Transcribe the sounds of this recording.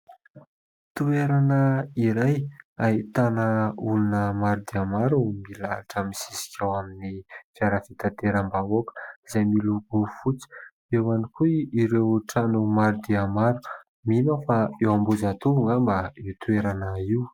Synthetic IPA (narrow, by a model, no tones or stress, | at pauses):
t̪ueɾanəiɾajaɦit̪anəulunəmaɾud̪iamaɾumila̰ɾaʈ͡ʂəmisisi̥kʲʰawaminifjaɾafit̪at̪eɾambavokə̥izajmiluɡufut͡si̥ | ewanikuiɾewʈ͡ʂanumaɾud̪iamaɾu | minofaewambuzat̪uvuŋambaewt̪ueɾanəiwu